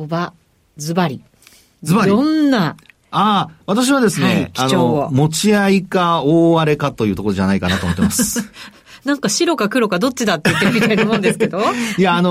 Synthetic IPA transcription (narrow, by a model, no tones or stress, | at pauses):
oba | d͡zɨbaɾʲḭ | zɨbaɾõnːa | aβ̞at̪aɕ̬iβad̪e̞sɨne̞̰kʲianomo̞t͡ɕiaikaoːaɾe̞kat̪o̞jɯ̟ːt̪o̞ko̞ɾoʑanaikanat̪oːmot̪ːemasɨ̥ | nãŋkaɕiɾo̞kakɯ̟ɾo̞kad̪o̞t͡ɕːid̪at̪ːejɯ̟t̪ːeɯmit̪ainomõnd̪e̞sɨ̥ke̞d̪oijaːno